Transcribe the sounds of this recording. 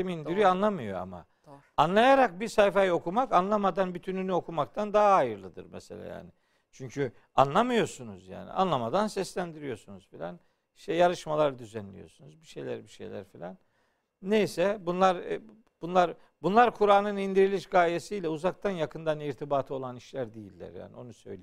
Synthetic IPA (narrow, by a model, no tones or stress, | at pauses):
imind̪iɾyjanlˠamɯjo̞̰a̰ma̰ | anlˠajaɾak̚biɾsajfajɯo̞kʰumakanlˠamad̪anbyt̪ʰynynyo̞kʰumak̚t̪ʰand̪aɦaɦajɯɾlˠɯd̪ɯ̰ɾmɛ̰sḛlʲa̰ja̰ːnɪ | t͡ʃʰyɲcʰy | anlˠamɯjo̞sunuzja̰ːnḭa̰nlˠamad̪ansɛslʲænd̪iɾijo̞sunuz̥filʲæ̰n | i̥ʃt̪ɛjaɾɯʃmalˠaɾd̪yzænlʲḭjo̞̰sunuzbiʃejlʲæ̰ɾbiʃḛjlʲæ̰ɾfilʲa̰nː | ejsɛbunlˠaɾ | b̥unlˠaɾ | bunlˠaɾkʰuɾaːnɯnind̪iɾilʲiʃɡaːjesijlʲɛuzak̚t̪ʰanjakʰɯnd̪aniɾt̪ʰibaːt̪ʰɯo̞lˠaniʃlʲæɾd̪ejilʲːæ̰ɾja̰ːnio̞̰nusø̞̰jl